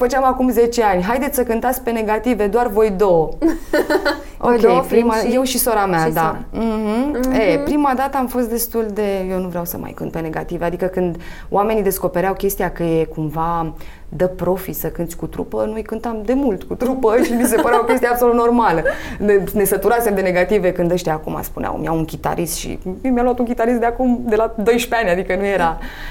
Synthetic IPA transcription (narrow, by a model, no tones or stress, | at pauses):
fət͡ʃeamakumze̞t͡ʃe̞anʲɦajd̪et̪səkɨnt̪at̪sʲpe̞ne̞ɡat̪ive̞d̪oarvo̞jd̪o̞w | okʲejɾimaje̞wʃiso̞ɾamad̪ahm̩epɾimad̪at̪əamfo̞st̪d̪e̞st̪uld̪e̞jewnuvɾeawsə̰ma̰jkɨ̰nt̪̚pe̞ne̞ɡat̪ivead̪ikəkɨnd̪ | o̰ʔame̞nid̪e̞sko̞pe̞ɾeawkʲe̞st̪ijakəjekumva | d̪əpɾo̞fisəkɨnt̪sʲkut̪ɾṵpənuijkɨnt̪amd̪e̞mult̪kut̪ɾupəʃimis̬e̞pəɾeokʲe̞st̪ijeabsolut̪no̞rmalənene̞sət̪uɾasemd̪e̞ne̞ɡat̪ive̞kɨnd̪əʃt̪iakṵma̰spunea̰wmia̰wuŋkʲit̪a̰ɾʔist̪ʃḭmjaluat̪unŋkʲit̪aɾis̬t̪d̪eakumd̪e̞lad̪o̞jʃpeanʲad̪ikənujeɾa